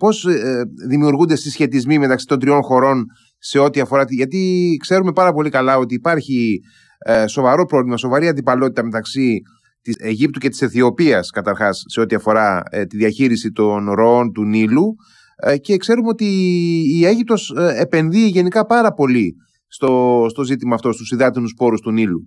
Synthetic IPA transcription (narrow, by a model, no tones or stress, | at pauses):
po̞zðimiuɾɣund̪e̞st̪isçe̞t̪izmime̞t̪ɐksi̥t̪od̪ɾio̞nxo̞ɾo̞n | se̞o̞t̪iɐfo̞ɾɐt̪ʝɐt̪ikse̞ɾume̞pɐɾɐpo̞likɐlɐo̞t̪iːpɐɾçi | so̞vɐɾo̞pɾo̞vlimɐso̞vɐɾiɐnd̪ipɐlo̞t̪it̪ɐme̞t̪ɐksi | t̪ieʝip̚t̪uce̞t̪i̥se̞θio̞piɐskɐt̪ɐɾxɐsːe̞o̞t̪iɐfo̞ɾɐt̪iðiɐçiɾisit̪o̞nɾo̞ont̪unilu | ce̞kse̞ɾumeo̞t̪iː | e̞ʝip̚t̪o̞sepe̞nðiːʝe̞nikɐpɐɾɐpo̞li | st̪o̞st̪o̞zit̪imɐːft̪o̞st̪usiðɐt̪inuspo̞ɾust̪unilu